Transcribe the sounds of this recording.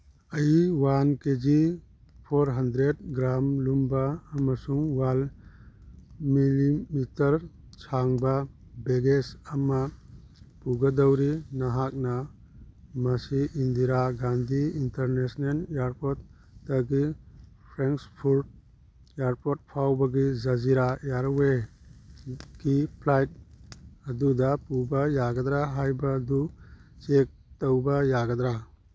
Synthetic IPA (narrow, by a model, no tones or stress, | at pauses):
ɐjiwanked͡ʒi | pʰoɾɦɐndɾedɡɾamlumbaːmasuŋwal | milimitɐɾ | t͡ʃʰaŋba | beɡesɐma | puɡɐdəwɾinaɦak̚na | mɐsiʔind̪iɾaɡand̪ʱiinteɾnesnelaɾpot̚ː | ɐɡi | pʰɾeŋkspʰuɾd̚ | aɾpot̚pʰawbɐɡizɐziɾajaɾwe | ɡ̥ipʰlajt̚ɐdudɐpubɐjaɡɐd̪ɾaɦajbɐːdut͡ʃek̚tɐwbɐjaɡɐd̪ɾa